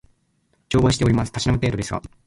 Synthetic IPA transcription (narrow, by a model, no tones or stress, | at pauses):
t͡ɕo̞ːbãɕi̥t̪e̞oɾimasɨ̥t̪aɕinamat̪e̞ːt̪o̞d̪e̞sɨɡa̰